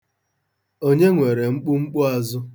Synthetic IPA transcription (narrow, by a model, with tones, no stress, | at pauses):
o˦ɲe˦ŋʷe˨ɾe˨ŋ͡m̩˦k͡pʊ˦ŋ͡m̩˦k͡pʊ˦a˨zʊ˦